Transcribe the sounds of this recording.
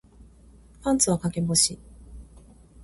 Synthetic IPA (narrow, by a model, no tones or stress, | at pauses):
ɸãnt͡sɨβakakẽ̞mboɕi